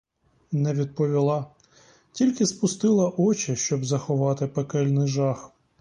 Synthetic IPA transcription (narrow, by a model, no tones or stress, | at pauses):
nɛʋʲid̪̚pɔʋʲilˠɑ | tʲilʲkɪspʊst̪ɪlˠɐʔɔt͡ʃɪʃt͡ʃɔbzɐxɔʋɑt̪ɪpekɛlʲnɪjʒɑx